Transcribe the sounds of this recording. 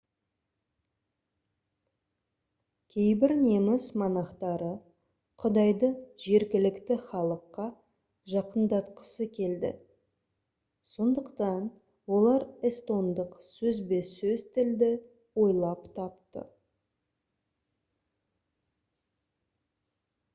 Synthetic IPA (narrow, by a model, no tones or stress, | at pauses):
kʲʰe̞jbɪɾnemɪsmɑnɑqt̪ɑɾə | qʰʊd̪ɑjd̪əʒe̞ɾɡʲɪlɪkt̪ɪχɑlˠəqːɑ | ʒɑqənd̪ɑt̪qə̥səkʲʰe̞ld̪ɪ̰ | so̞nd̪əqt̪ɑn | wo̞lˠɑɾɪst̪o̞nd̪əqsɵzbe̞sɵzt̪ʰɪld̪ɪ | wo̞jlˠɑpt̪ʰɑpt̪ə̰